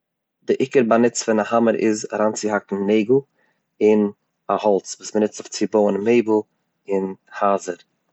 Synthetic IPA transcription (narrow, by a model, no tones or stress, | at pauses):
dɪʔɪkəɾbanɪt͡sfɪnahaməɾɪ̰zɾant͡sɪɦakn̩neɪɡʊ | ɪn | ahɔlˠt͡svuːsmənɪt͡sɔft͡sɪboːənmeɪbə | ɪnhaːzəɾ